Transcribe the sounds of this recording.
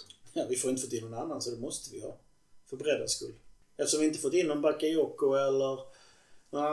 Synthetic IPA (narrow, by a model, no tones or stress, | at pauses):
jɑːvɪfoːɾɪnt̪əfɔt̪ːɪnːɔnanːansɔd̪ɛmɔst̪əvɪhɑ̰ː | fœɾbɛɾɛd̪ɾaskɵ̰lː | ɛft̪ʂɔmvɪɪnt̪əfɔt̪ːɪnːɔnbakːaɔkːʊɛlːəɾ